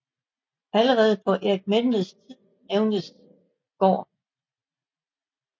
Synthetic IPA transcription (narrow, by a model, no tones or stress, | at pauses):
æləʁɛːð̞̩ˠəpʰɒ̽ʔeɐɡ̥̚menləst͡sʰið̰ˠ | eʊnəs | ɡ̥ɒ̰ː